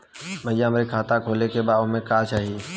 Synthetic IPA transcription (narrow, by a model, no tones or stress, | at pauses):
məɪjãːmɾekʰaːt̪akʰoːlekebaːʊɦmẽkaːt͡ʃaːɦiː